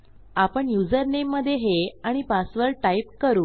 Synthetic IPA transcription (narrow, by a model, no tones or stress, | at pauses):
apəɳjud͡zəɾnemːəd̪ʱːjeɦeaɽ̃ipasʋəɾʈaipkəɾuː